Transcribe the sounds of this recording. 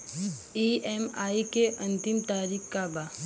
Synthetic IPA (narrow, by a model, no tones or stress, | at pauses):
iɛmaːikeʔɐ̃nt̪ɪmt̪aːɾiːkkabaː